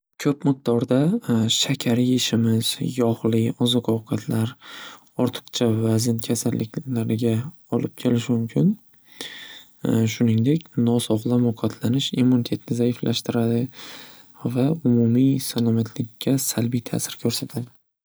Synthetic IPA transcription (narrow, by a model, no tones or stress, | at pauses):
kʲʰɵpmɨq̚d̪ɒɾd̪aʃakʲʰaɾiɪʃɪmɪz̥jɒχlɪɒzɨqɒwqʰɑt̪ʰlaɾ | ɒɾt̪ʰɨ̥qt͡ʃʰavazɪnkʲʰasalːɪkʲlaɾɪɡʲa | ɒlɪp̚kʲʰe̞lɪʃɪmʊmkʲʰɪn | ʃʊnɪŋd̪e̞kʲnɒsɒʁlˠamʊqʰɒt̪ʰlanɪʃimːunit̪ʰe̞t̪nɪzaɪflaʃt̪ɪɾad̪ɪ | vaʊmʊmisanomat̪ʰlɪkʲʰːasalbijt̪ʰa̰sɪɾkʲʰɵɾsat̪ʰad̪ɪ